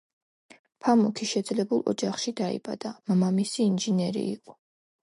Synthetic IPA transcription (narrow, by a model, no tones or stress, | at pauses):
pʰamukʰiʃɛd̪zlɛbulˠɔ̰d͡ʒaχʃid̪aḭbad̪̥amamamisiːnʒinɛɾḭːqʼɔ̥